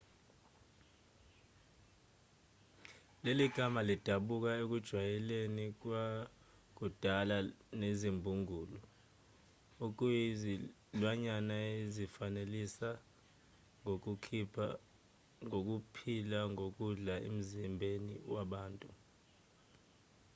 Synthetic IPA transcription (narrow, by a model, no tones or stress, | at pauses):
leliɡ̥ʱamalid̥ʱaɓuk̬aek̬ud̥ʒ̥ʱwajɛlenik̬wa | k̬ud̥ʱalanezimbʱuŋuːlɔ | uk̬uzi | lwaɲanaezifanelisa | ŋoukʰipʰ | ŋok̬upʰilaŋok̬uɮaḛm̩zimbʱenḭwaɓaːntʼu